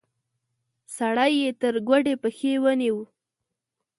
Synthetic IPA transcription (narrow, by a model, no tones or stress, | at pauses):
saɽajːet̪əɾɡwaɖepəxewəniwu